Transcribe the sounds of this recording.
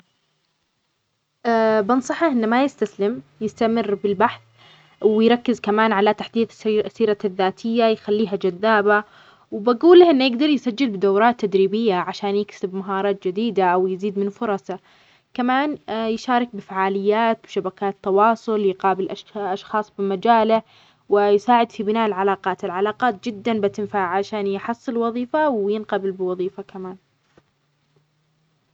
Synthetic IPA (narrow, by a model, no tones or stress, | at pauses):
ʔabɪnsˤɑħaʔɪnːmajɪst̪aslɪmjɪst̪amɪrːbɪlbaħθ | wɪjɾˤɑkːɪzkamaːnʕalat̪aħd̪iːθsːiːɾaðːaːt̪ʰɪjːajxalːiːɦad͡ʒaðːaːba | wɪbaɡuːlːahʔɪnːjɪɡd̪ɑɾˤjɪsad͡ʒːɪlbɪd̪awɾˤɑːt̪ːad̪ɾiːbɪjːaʕaʃaːnjɪksɪbmaɦɑːɾˤɑːt̪̚d͡ʒɪd̪iːd̪aʔawjɪziːd̪mɪnfʊɾˤɑsa | kamaːnjʃɑːɾˤɪk̚bɪfaʕaːlɪjːaːt̪̚bɪʃabakaːt̪ːɑwɑːsˤʊljqɑːbɪlʔaʔɑʃxɑːsˤbɪmad͡ʒaːla | wɪjsaːʕɪd̪fibɪnaːʔɪlʕalɑːqɑːt̪ɪlʕalaɑːqɑːt̪̚d͡ʒɪd̪ːanbɪt̪ɪnfaʕʕaʃaːnjħɑsˤːɨlwɑðˤiːfawjɪnqabɪlbɪwɑðˤiːfakamaːn